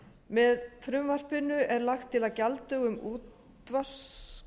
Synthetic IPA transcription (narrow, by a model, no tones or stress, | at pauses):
mɛðfɾʏmvar̥pɪnʏʔɛɾlaxt̪ʰːɪlaðcalt̪ʏɣʏmuːt̪ | var̥s